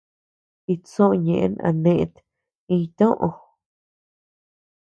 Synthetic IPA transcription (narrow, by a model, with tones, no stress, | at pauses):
i˧t͡sõ˦ʔɲẽ˨ʔna̰˧nẽ˧ʔt̪ | ĩ˧t̪õ˦ʔo˧